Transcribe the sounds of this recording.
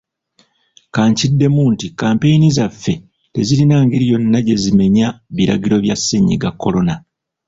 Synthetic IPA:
kaːɲcidːe̞muːntikaːmpe̞jinizafːe̞ | te̞ziɾinaːŋɡeɾijo̞nːaɟe̞zime̞ɲaβiɾa̰ɡiɾo̞βjasːeɲḭɡakːo̞lo̞na

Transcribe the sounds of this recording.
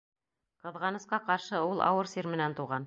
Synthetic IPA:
qɤ̆ðʁɑnɤ̆sqɑqɑɾʃɤulˠʔɑ̰wɤɾsiɾmɘ̆nænt̪uʁɑn

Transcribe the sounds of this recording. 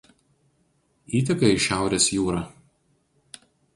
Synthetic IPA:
iːt̪ʲɛkɐɪʃʲæˑʊɾʲeːsjuːɾɐː

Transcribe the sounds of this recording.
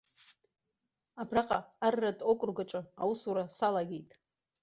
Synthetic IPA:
abraqʼaːrːadʼokʷʼʊrɡaʈ͡ʂʼɨa̰wusuɾasalaɡʲejtʼ

